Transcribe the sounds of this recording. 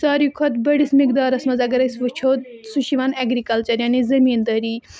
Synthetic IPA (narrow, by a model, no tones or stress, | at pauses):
saːɾikʰɐt̪bɐɽismɪkd̪aːɾɐsmɐzɐɡɐɾɐsʋut͡ʃʰoːt̪suʃiʋɐnɐɡɾikɐlt͡ʃɐɾjaːnizɐmiːnd̪ɐɾiː